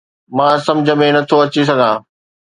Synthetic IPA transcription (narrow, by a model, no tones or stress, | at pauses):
mãːsɐ̃md͡ʑʱəmẽnɐt̪ʰoɐt͡ɕis̬ɐɡʱãː